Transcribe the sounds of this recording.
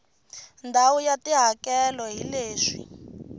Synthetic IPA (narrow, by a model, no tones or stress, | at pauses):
ndʱawujatiɦakɛlɔɦileːʂi̥̰